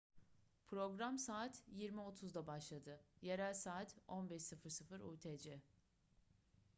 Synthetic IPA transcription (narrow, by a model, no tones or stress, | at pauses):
pʰɾo̞ɡɾamsaːt̪jiɾmio̞t̪ʰuzd̪abaʃlˠad̪ɯjeɾælʲsaːt̪ʰo̞nbɛʃsɯfɯɾsɯfɯɾṵːt̪ʰed͡ʒɪ